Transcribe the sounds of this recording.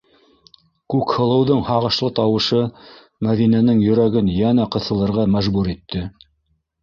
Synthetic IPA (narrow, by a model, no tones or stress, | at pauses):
kʉkhɤ̆lˠɤ̆wðɤɴhɑʁɤ̆ʃlˠɤt̪ɑwɤ̆ʃɤ | mæðinænɘŋjɵ̆ɾæɡɘnjænæqɤ̆θɤ̆lˠɤ̆ɾʁɑmæʒbuɾit̪ʰːɘ